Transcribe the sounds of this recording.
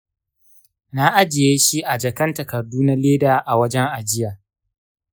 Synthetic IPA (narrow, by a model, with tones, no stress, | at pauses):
na˦ʔa˦d͡ʒɪ˨jeː˦ʃi˦ʔa˨d͡ʒɐ˨kɐ˦ntɐ˨kɐ˨rduː˦na˦leː˦daː˨ʔa˨wɐ˦d͡ʒɛ˦ŋʔa˨d͡ʒɪ˦jaː˨